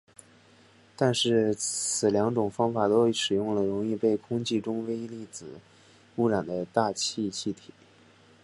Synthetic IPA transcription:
t̪a˥˧nʂɻ̩˥˩t͡sʰɹ̩˨˩ljɑ˧˥ŋʈ͡ʂʊ˨˩ŋfɑ˥ŋfa˨˩t̪o˥˩ʂɻ̩˨˩jʊ˥˩ŋlə˩ɻʊ˧˥ŋi˥˧pe˥˩ɪkʰʊ˥ŋt͡ɕi˥˩ʈ͡ʂʊ˥ŋwe˥ɪi˥li˥˩t͡sɹ̩˨˩˦ | u˥˩ɻa˨˩nd̪ə˦t̪a˥˧t͡ɕʰi˥˧t͡ɕʰi˥˩t̪ʰi̥˨˩˦

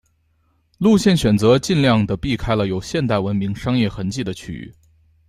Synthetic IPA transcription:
lu˥˧ɕjɛ˥˩nɕɥɛ˨˩nt͡sɤ˧˥t͡ɕi˥˧nljɑ˥˩ŋd̪ə˩pi˥˩kʰa˥ɪlə˨jo˨˩ʊɕjɛ˥˧nt̪a˥˩ɪwə˧˥nmi˧˥ŋʂɑ˥ŋjɛ˥˩xə˧˥nt͡ɕi˥˩d̪ə˩t͡ɕʰy̰˧˩y̰˥˩

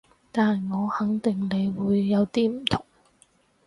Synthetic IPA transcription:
t̪aː˨nŋɔː˨˧hɐ˨˥ŋt̪ɪ˨ŋne˨˧jwuː˨˧jːɐ˨˧wt̪iː˥m̩˨˩t̪ʰʊ˨˩ŋ

